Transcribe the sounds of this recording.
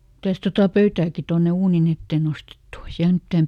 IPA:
mitæs totɑ pøytæːki tonːe uːnin etːeː nostetːu o ei siæl mitːæːm

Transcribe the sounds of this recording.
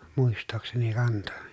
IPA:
muistˑoːkseni kɑnto

